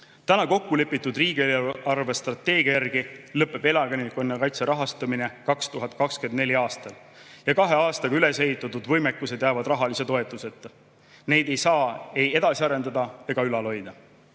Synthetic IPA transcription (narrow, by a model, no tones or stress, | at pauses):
t̪ænɑko̞kːule̞pːˑit̪ːˑud̪riːɡ̥ielɑrve̞st̪rɑt̪ːe̞ːɡ̥iɑjærɡ̥ilɤpːˑe̞b̥e̞lɑɡenikonːekɑjt̪seɾɑɦɑst̪ɑmine̞kɑkst̪uɦɑt̪̚kɑkske̞nd̪ne̞lʲiɑːst̪ɑl | jɑkɑɦe̞ɑːst̪ɑɡ̥ɑyle̞se̞ɦit̪ˑːɑt̪ːud̪̥vɤ̞jmekˑːuse̞d̪jæːvɑd̪rɑɦɑlise̞t̪o̞et̪ˑːuse̞t̪ːˑ | ne̞jd̪e̞jsɑːe̞je̞d̪̥ɑsiɑɾe̞nd̪ɑd̪ɑe̞ɡ̥ɑylɑlo̞jd̪̥ɑ